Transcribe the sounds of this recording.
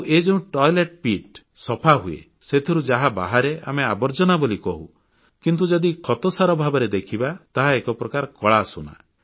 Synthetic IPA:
ʔed͡ʒeũʈɔjleʈ̚piʈ | sɔpʰaɦuḛ | set̪ʰiɾud͡ʒaɦaba̰ɦaɾeʔa̰meabɔɾd͡ʒɔnabolikɔɦṵ | kint̪̬ud͡ʒɔd̪ikʰɔt̪ɔsaɾɔbʱabɔɾed̪ekʰibat̪aɦaekɔpɾɔkaɾɔkɔɭasuna̰

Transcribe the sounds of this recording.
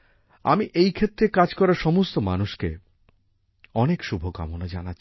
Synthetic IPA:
a̰miʔejkʰet̪ːɾekad͡ʑkɔɾaɾʃɔmost̪omanuʃkḛ | ɔnekʃubʱoka̰monad͡ʑana

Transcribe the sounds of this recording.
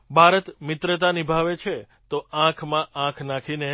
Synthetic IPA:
bʱaɾət̪mɪt̪ɾət̪anibʱaʋet͡ʃʰe | t̪oãkʰmãʔãkʰnakʰine

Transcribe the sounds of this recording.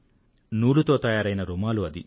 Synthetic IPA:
nuːɭut̪o̞ːt̪ɐjaːɾɐjnɐɾumaːluɐd̪ḭ

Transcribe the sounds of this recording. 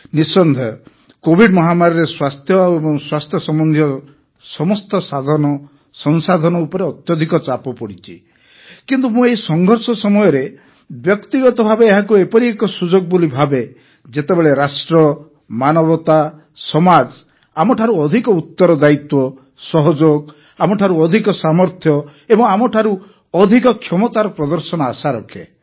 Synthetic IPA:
nisɔnd̪ʱɔ | kobʱiɖmɔɦamaɾɔɾeswast̪ʰjɔebɔŋswast̪ʰjɔsɔmɔnd̪ʱiɔ | sɔmɔst̪ɔsad̪ʱɔnɔ | sɔnsad̪ʱɔnɔupɔɾeɔt̪jɔd̪ʱikɔt͡ʃapɔpɔɽit͡ʃʰi | kint̪umũeisɔŋɡʱɔɾsɔsɔmɔjɔɾe | bjɔkt̪iɡɔt̪ɔbʱabeːɦakuepɔɾiekɔsud͡ʒoɡ̚bolibʱabe | d͡ʒet̪ebeɭeɾasʈɾɔ | manɔbɔt̪a | sɔmad͡ʒ | amɔʈʰaɾuɔd̪ʱikɔut̪ːɔɾɔd̪ait̪wɔ | sɔɦɔd͡ʒoɡ | amɔʈʰaɾuɔd̪ʱikɔsamɔɾt̪ʰjɔebɔŋamɔʈʰaɾu | ɔd̪ʱikɔkʰjɔmɔt̪aɾɔpɾɔd̪ɔɾsɔnɔasaɾɔkʰḛ

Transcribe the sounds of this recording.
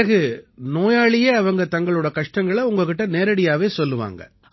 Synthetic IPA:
pɐɣɯnoːjaːɭɪjeːɐʋɐŋɡɐt̪ɐŋɡɐɭɯɽɐkɐʂʈɐŋɡɐɭɐʊŋɡɐkːɪʈːɐneːɾɐɽɪjaːʋeːsɔlːɯʋa̰ːŋɡɐ̰

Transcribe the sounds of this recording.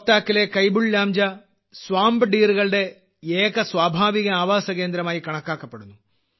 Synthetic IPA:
t̪ːaːkːilekɐjbuɭːaːmd͡ʑɐ | swaːmbɨɖiːruɣɐɭɽe̞ | eːɣɐswaːbʱaːʋiɣɐaːʋaːsɐɣe̞ːnd̪ɾɐmaːjikɐɳɐkːaːkːɐpːe̞ɽunːu

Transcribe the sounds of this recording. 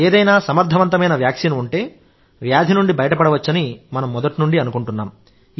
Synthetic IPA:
eːd̪ɐjnaːsɐmɐɾd̪ʱɐʋɐnt̪ɐmɐjnɐʋjaːkʂiːnuɳʈe̞ː | ʋjaːd̪ʱinuɳɖibɐjɐʈɐpɐɽɐʋɐt͡ʃːɐnimɐnɐmːɔd̪ɐʈnuɳɖiɐnukuɳʈunːaːm

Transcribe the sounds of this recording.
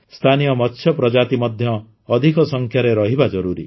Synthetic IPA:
st̪ʰanijɔmɔtːʃʰjɔpɾɔd͡ʒat̪imɔd̪ʱjɔː | d̪ʱikɔsɔŋkʰjaɾeɾɔɦibad͡ʒɔɾuɾḭ

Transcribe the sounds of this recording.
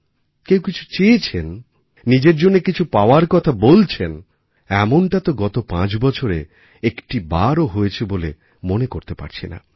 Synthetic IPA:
kewkit͡ɕʰu̥t͡ɕeet͡ɕʰenː | id͡ʑeɾd͡ʑonːekit͡ɕʰupaoaɾkɔt̪ʰabolt͡ɕʰen | ɛmoɳʈat̪oɡɔt̪opãt͡ɕbɔt͡ɕʰoɾe | ekʈibaɾoɦoet͡ɕʰebole | monekoɾt̪epa̰ɾt͡ɕʰena̰

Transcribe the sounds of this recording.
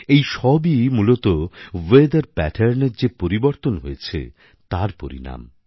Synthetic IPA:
ejʃɔbimulot̪owed̪aɾpɛʈʰeɾneɾd͡ʑepoɾiboɾt̪onɦojet͡ɕʰḛ | t̪aɾpo̰ɾḭna̰m

